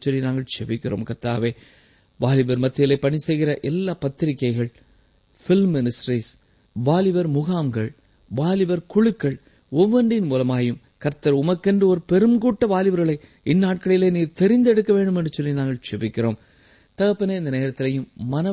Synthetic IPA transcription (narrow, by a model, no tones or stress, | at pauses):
t͡ʃɔlːinaːŋɡɐɭsɛʋɪkːɪro̰ːmkɐɾt̪ːa̰ːʋeː | ʋaːlɪʋɐɾmɐt̪ːɪjɪlɐɪpːɐɳisɛɪɣɪɾɐʔɛlːaːpɐt̪ːɪɾɪkːɐɪɣɐɭ | fɪlmːɪnɪsʈɾiːs | ʋaːlɪʋɐɾmʊɣaːmɡɐɭ | ʋaːlɪʋɐɾkʊɻɯkːɐɭ | ɔʋːɐɳɖɪnmuːlɐmaːjɯm | kɐɾt̪ːɐɾʊmɐkːɛndrɯɔɾɯpɛɾɯmɡuːʈːɐʋaːlɪʋɐɾɣɐɭɐɪ | ɪnːaːʈ̚kɐɭɪleːniːɾt̪ɛɾɪnd̪ɛɽɯkːɐʋeːɳɖɯmɛndrɯt͡ʃɔlːinaːŋɡɐɭt͡ʃɛʋɪkːɪroːm | t̪ɐɣɐpːɐneɪnd̪ɐneːɾɐt̪ːɪlɐjɯmːɐnɐ